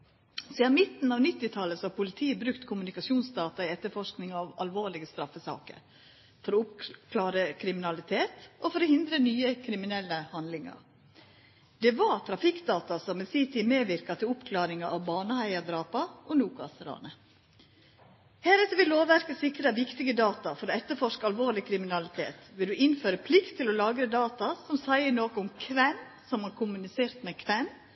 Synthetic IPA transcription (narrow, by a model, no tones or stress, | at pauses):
sid̪ɑnmɪt̪n̩ɑːʋnɪt̪ːɪt̪ʰɑləsɔɑpʊlɪt̪ʰiːəbɾʉkt̪kʰʊmʉnɪkɑsuːnsd̪ɑːt̪ɑɪɛt̪ːəfɔʂknɪŋɑʋɑ̰lʋoːɭɪɡəst̪ɾɑfəsɑ̰ːkə̰ɾ | fɔɾɔʊpkʰlɑːɾəkʰɾɪmɪnɑlɪt̪ʰeːt̪ʔɔfɔɾɔhɪnd̪ɾənyːəkʰɾɪmɪnɛlːəhɑnd̪lɪŋɑ̰ɾ | d̪̥ɛʋɑt̪ʰɾɑfɪkd̪ɑːt̪ɑsɔmɛsɪt̪ʰɪmeːʋɪɾkɑt̪ʰɪlʊpkʰlɑːɾɪŋɑʔɑʋbɑːnəhæɪɑd̪ɾɑːpɑʔɔnuːkɑ̰ːsəɾɑ̰ːnə | hæːɾɛt̪ːəʋɪlloːʋʋæɾkəsɪkɾəʋɪkt̪ɪɡəd̪ɑːt̪ɑfɔɾoːɛt̪ːəfɔʂkəɑlʋoːɾɭɪkʰɾɪmɪnɑlɪt̪ʰḛːt̪ʋɪld̪ʉʔɪnføːɾəpʰlɪkt̪ʰːɪlɔlɑːɡɾəd̪ɑːt̪ɑsɔmsæɪəɳoːkəʊmkʰʋɛm | sɔmhɑɾkʰʊmʉnɪseːɾt̪mɛkʰʋɛm